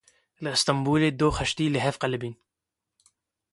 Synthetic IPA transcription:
lʔəst̪ɑmbuːled̪oxæʃt̪ilɪɦæfqɑləbiːn

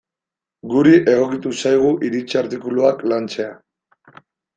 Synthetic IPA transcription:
ɡuɾiʔe̞ɣ̞o̞kit̪usajɣ̞uʔiɾit͡saɾt̪ikuluaklant͡se̞a

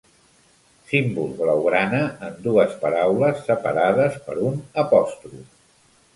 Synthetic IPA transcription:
simbulˠβləwɣɾanəːnd̪uəspəɾawləsːəpəɾaðəspə̰ɾunəpɔst̪ɾu

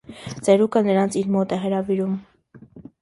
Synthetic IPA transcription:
t͡sɛɾukʰənəɾɑnt͡sʰiɾmɔt̪ɛɦəɾɑviɾum

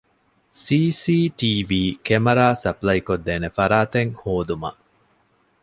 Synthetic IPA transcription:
siːsiːʈiːʋiːkemɐɾaːsɐplɐikod̪ːeːnefɐɾaːt̪eŋhoːd̪umɐ̰ʔ

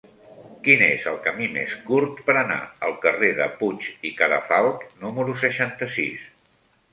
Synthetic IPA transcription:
kinezəlˠkəmimḛskuɾt̪pəɾəna̰əlˠkəreðə̰put͡ʃikəɾə̰falˠknuməɾus̬əʃant̪əsḭs

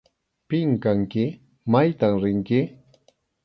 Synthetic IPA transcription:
pɪŋkaŋkɪ | majt̪amɾɪŋkɪ

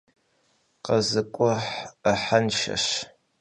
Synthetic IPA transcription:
qɐzɨkʷʼɔħəħanʃɐ̰ɕ

